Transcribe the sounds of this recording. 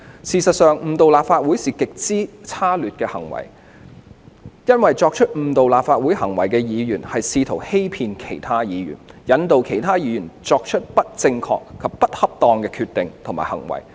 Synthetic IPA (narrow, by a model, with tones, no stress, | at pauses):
siː˨˩sɐ˨t̚sœː˨ŋm̩˨˩t̪o˨wlaː˨pfaː˧t̚wu˨˥jsiː˨kɪ˨k̚t͡siː˥t͡sʰaː˥lyː˨t̚kɛː˧hɐ̰˨˩ŋwɐ̰˨˩j | jɐ˥nwɐ˨jt͡ʃɔː˧k̚t͡ʃʰɵ˥t̚m̩˨˩t̪o˨wlaː˨p̚faː˧t̚wuː˨˥jhɐ˨˩ŋwɐ̰˨˩jkɛː˧jiː˨˧jyː˨˩nhɐ˨jsiː˧t̪ʰo˨˩whe˥jpʰiː˧nkʰe˨˩jt̪ʰaː˥jiː˨˧jy̰˨˩njɐ˨˧˦nt̪o˨wkʰe˨˩jt̪ʰaː˥jiː˨˧jyː˨˩nt͡sɔː˧k̚t͡ʃʰɵ˥t̚pɐ˥t̚t͡sɪ˧ŋkʰɔ̰ː˧kkʰːɐ˨pːɐ˥t̚hɐ˥p̚t̪ɔː˧ŋkɛː˧kʰyː˧t̪ɪ˨ŋt̪ʰo˨˩maː˨˩hɐ̰˨˩ŋwɐ̰˨˩j